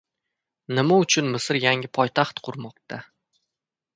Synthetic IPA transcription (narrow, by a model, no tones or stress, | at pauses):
nɪmaʊt͡ʃʰʊnmɪsɪɾjaŋɪpʰɒjt̪ʰaχt̪qʰʊɾmɒqt̪ʰa